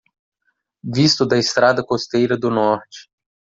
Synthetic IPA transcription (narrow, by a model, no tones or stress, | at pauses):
vist̪ʊd̪ɐɪst̪ɾad̪ɐkost̪ejɾɐd̪ʊnɔɾt͡ʃɪ̥